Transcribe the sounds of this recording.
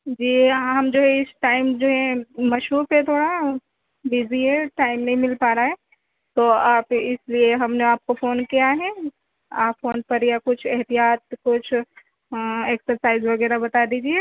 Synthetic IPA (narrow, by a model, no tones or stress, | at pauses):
d͡ʒiːɦaɦɐmd͡ʒoːɦɛ̃ɪsʈaːɪmd͡ʒoːɦɛ̃mɐʃuːɾpet̪ʰoːɽa | biziɦɛʈaːɪmnɐɦĩmɪlpaːɾaɦɛː | t̪oːaːpɪslieɦɐmneaːp̚kofoːnkijaɦɛ̃ | aːpfoːnpɐɾjakʊt͡ʃʰɛɦt̪ijaːt̪̚kʊt͡ʃʰ | eːksəɾsaːɪzʋɐɣɛːɾabɐt̪ad̪iːd͡ʒie